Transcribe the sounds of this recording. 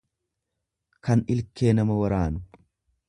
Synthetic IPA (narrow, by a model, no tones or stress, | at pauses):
kɐnɪlkːe̞ːnɐmɐwɐɾaːnʊ